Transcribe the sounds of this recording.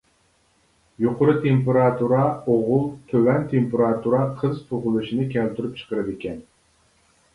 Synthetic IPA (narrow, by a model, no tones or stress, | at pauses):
joqʰʊɾɨt̪ʰempeɾɑt̪ʰuɾɑoʁʊlˠt̪ʰøwɛnt̪ʰempeɾɑt̪ʰuɾɑqʰəzt̪ʰoʁʊlˠuʃinɨkʲʰælt̪ʰyɾyp̚t͡ʃʰə̥qəɾɨd̪ekʲɛn